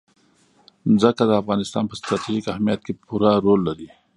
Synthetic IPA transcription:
zəkad̪əafɣɑnɪst̪ɑːnpəst̪ɾɑt̪ʰiʒikahmijat̪̚kepuɾaɾolːaɾi

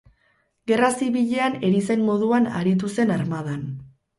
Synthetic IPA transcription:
ɡe̞rasiβiʎe̞ane̞ɾisenmo̞ð̞uana̰ɾit̪̬use̞naɾmað̞an

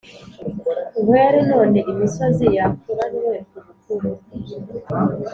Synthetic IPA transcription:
ɡweːɾeno̞ːneʔimisozijakuɾaniwekuɾukʰuɾu

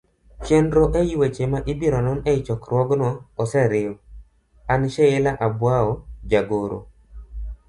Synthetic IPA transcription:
t͡ʃendɾoʔɛjiwet͡ʃemaʔɪbiɾɔnɔnɛɪt͡ʃɔkɾwɔɡnɔːsɛɾɪɔ | anʃɛɪlaʔabwaɔd͡ʒaɡoɾo̰

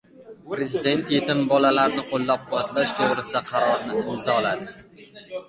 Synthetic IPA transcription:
pɾe̞zɪd̪e̞nt̪je̞t̪ɪmbɒlalaɾnɪqʰolˠːap̚bɒt̪laʃt̪ʰoʁɾɪsɪd̪aqʰɑɾɒɾnɪɪmzɒlad̪ɪ

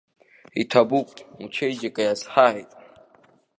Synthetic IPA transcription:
itʰabukʷʼut͡ʃʰejd͡ʒekʼajashaatʼ

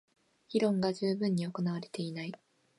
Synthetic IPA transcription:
ɡʲiɾõ̞ŋɡad͡ʑɨːbɯ̟̃ɲ̟ːio̞ko̞naβ̞aɾe̞̥t̪e̞inai

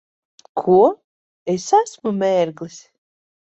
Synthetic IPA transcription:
kʰuɔ | esasmumɛːɾɡlˠisʲ

